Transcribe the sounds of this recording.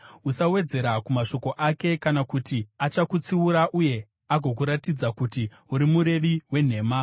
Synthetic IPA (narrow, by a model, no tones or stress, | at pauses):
usawe̞d͡ze̞ɾakumaʃo̞ko̞ʔake̞kanakutiat͡ʃakut͡siuɾaʔuje̞ | aɡʱo̞k̬uɾatid͡zakuti | uɾimuɾe̞ʋiwe̞n̤e̞ːma